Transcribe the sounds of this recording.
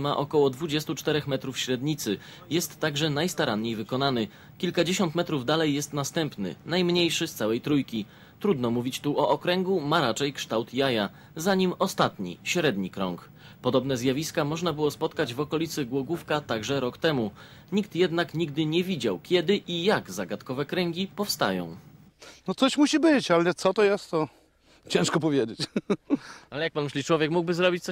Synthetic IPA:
maʔɔkɔwɔd̪vud͡ʑɛst̪ut͡ʂt̪ɛɾɛxmɛt̪ɾufɕɾɛd̪ɲit̪sɘ | jɛst̪ːaɡʐɛnajst̪aɾanɲejvɘkɔnanɘ | kʲilkad͡ʑeɕɔnt̪mɛt̪ɾuvd̪alɛjːɛst̪nast̪ɛmpnɘ̰najmɲejʂɘst̪sawɛjt̪ɾujkʲi | t̪ɾud̪nɔmuvʲit͡ɕt̪uʔɔʔɔkɾɛŋɡumaɾat͡ʂɛjkʂt̪awt̪jaja | zaɲimɔst̪at̪ɲḭɕɾɛd̪ɲikɾɔ̰ŋk | pɔd̪ɔbnɛzjavʲiskamɔʐnabɘwɔspɔt̪kad͡ʑvɔkɔlʲit̪sɘɡwɔɡufkat̪aɡʐɛɾɔkt̪ɛmu | ɲikt̪jɛd̪nakɲiɡ̚d̪ɘɲɛvʲid͡ʑawkʲɛd̪ɘʔijaɡzaɡat̪kɔvɛkɾɛŋɡʲipɔfst̪a̰jɔ̰̃w̃ | nɔt̪sɔɕmuɕibɘt͡ɕalɛt̪sɔt̪ɔjɛst̪ɔ | t͡ɕɛ̃ʂkɔpɔvʲjed͡ʑet͡ɕ | alɛjak̚panmɘɕʲlʲit͡ʂwɔvʲjɛkmuɡ̚bɘzɾɔbʲit͡ɕt̪sɔ

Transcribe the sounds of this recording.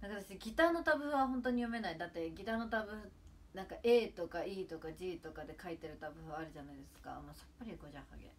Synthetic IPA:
nakat̪aseɡʲit̪aːno̞t̪abɯ̟ɸɯβaɦõ̞nt̪̬oɲ̟ijo̞me̞naid̪at̪ːe̞ɡʲit̪aːno̞t̪abɯ̟hɯ | nãŋkaʔe̞ːt̪o̞kaiːt̪o̞kad͡ʑiːt̪o̞kad̪e̞kait̪e̞ɾɯ̟t̪abɯ̟ɸɯβaːɾɯʑanaid̪e̞sɨ̥ka̰moːsḁpːaɾʲiɡo̞ʑãha̰ɡḛ

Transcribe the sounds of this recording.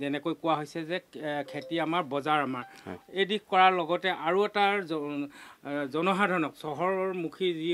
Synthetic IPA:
zɛnɛkojkʊwaɦojsɛzɛkʰetiamaɹbɔzaɹamaɹ̰ejdikkɔɹaɹlɔɡɔtɛʔaɹuɛta | zɔnɔɦadʱɔnɔksɔɦɔɹɔɹmukʰizi

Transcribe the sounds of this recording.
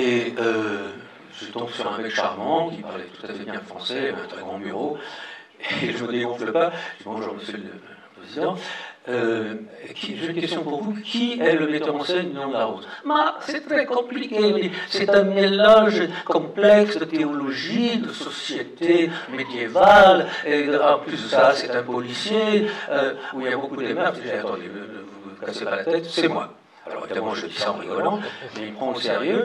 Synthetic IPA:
eø | ʒ̥ət̪ɔ̃bsyʁɛ̃vɛkʃa̰ʁmɑ̃kʲipa̰ʁlɛ̰t̪ut̪afɛbjɛ̃fχɑ̰̃sɛɛ̰̃t̪χɛɡʁɑ̃by̰ʁo | eʒəməd̪eɡɔ̃fləpaemɔ̃ɔ̰ʁməsɛlə | ləpχezid̪ɑ̃ø | kʲʰiʒenkʲɛst̪jɔ̃boʁkukʲʰiɛləəmet̪œʁɑ̃sɛninɔ̃d̪əlaʁot̪masɛt̪χɛkɔ̃plikʲemɛsɛt̪ɛ̃nelaʒkɔ̃plɛksət̪eɔlɔʒikd̪əsɔsjet̪emed̪jevaleɑplysəsasɛt̪ɛ̃pɔlisjeøuiljabokuud̪emɛʁʒeat̪ɔ̃d̪ḛədəvukasepaʁlat̪ɛt̪sɛmwa̰ | a̰lɔ̰ʁivid̪amɑ̃ʒəd̪isaɑ̰̃ʁḭzɔ̰lɑ̃smɛilpχɑ̃əsḛʁjø

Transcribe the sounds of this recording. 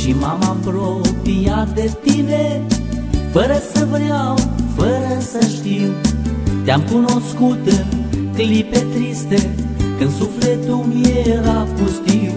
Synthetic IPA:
ʃimamambɾopijad̪et̪ine | fəɾəsəvɾeawfəɾəsəʃt̪iwt̪eamkuno̞skut̪klipe̞t̪ɾist̪e | kɨnd̪suflet̪umjeɾapust̪i

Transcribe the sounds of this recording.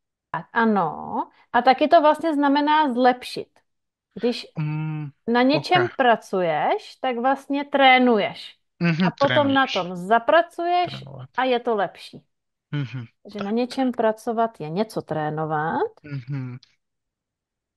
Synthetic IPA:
t̪akʔano̰ | ʔat̪akɪt̪o̞vlast̪ɲɛznamɛnaːzlɛpʃɪ̰t̪ | ɡdɪʃ | naɲɛt͡ʃɛmpɾat͡sujɛʃt̪aɡvlast̪ɲɛt̪ɾɛːnujɛʃ | apot̪omnat̪omzapɾat͡sujɛʃʔajɛt̪olɛpʃiː | t̪aɡʒɛnaɲɛt͡ʃɛmpɾat͡sovat̪jɛɲɛt͡sot̪ɾɛːnovat̪

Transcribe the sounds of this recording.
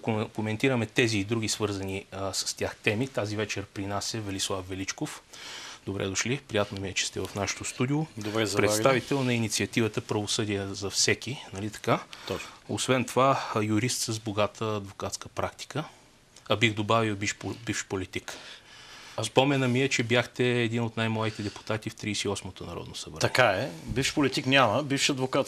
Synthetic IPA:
kkomɛnt̪iɾəmɛt̪ɛziːd̪ɾuɡʲisvɤɾzɐnisə̥st̪ʲjaxt̪ɛmit̪azivɛt͡ʃɛɾpɾinasʲəvɛlislˠafvɛlit͡ʃkofd̪obɾɛ̰d̪oʃlipɾijat̪nomiɛt͡ʃɛ̥st̪ɛvɐfnaʃɛ̥t̪ost̪ud̪iʊd̪obɾɛzpɾɛt̪avit̪ɛlˠnɐinit̪siɐt̪ivət̪əpɾɐvosɤd̪ijəzɐfsɛkinɐlit̪ɐ̥kat̪oo̰svɛnt̪ovajʊɾist̪səzboɡat̪ʰəːd̪vokat̪skəpɾakt̪i̥kə | ɐbiɣd̪obavilˠbiʃpbifʃpolit̪ik | spɔmɛnəmiɛt͡ʃɛbjaxt̪ɛːd̪inot̪najmlˠad̪it̪ɛd̪ɛpu̥t̪at̪ift̪ɾiːsɛiɔsmot̪onɐ̰ɾɔ̰d̪nosəvɾət̪ɐkaɛbifʃpolit̪iknʲaməbifʃiɐd̪vokat̪

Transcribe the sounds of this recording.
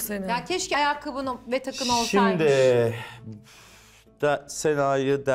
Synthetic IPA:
senjancʰʲɛʃcʲajakʰːɯbɯnvɛt̪ʰakɯmolˠʃimd̪ɪ | d̪̥senaːjɯd̪æ

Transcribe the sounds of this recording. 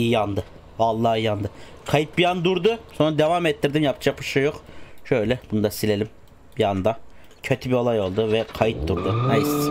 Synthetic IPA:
iɑnd̪ɯ | vɑlˠːɑhijɑnd̪ɯ | qʰɑjit̪̚bijand̪uɾd̪ʊsonɾad̪evamɛt̪ːiɾd̪imjapʰt͡ʃʰapʰɯʃɯjoqʃøjlʲɛb̥und̪ɑsilelʲim | b̥ijɑnd̪a | cʰøt̪ʰibio̞lˠajo̞lˠd̪uvɛqʰɑjit̪̚d̪uɾd̪unɛis

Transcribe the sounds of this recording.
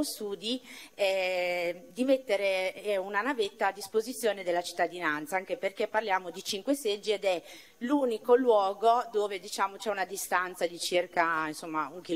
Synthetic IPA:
osuːd̪iɛ | d̪imet̪ːeɾeɛunanavet̪ːaːd̪ːispozit̪sːjoːned̪elːat͡ʃi̥t̪ːad̪inant̪saaŋkeperkepːarljaːmod̪it͡ʃiŋkwesed͡ʒːied̪ɛ | luːnikolwɔːɡod̪oːved̪it͡ʃaːmot͡ʃɛunad̪ist̪ant̪sad̪it͡ʃirkainsomːauŋki

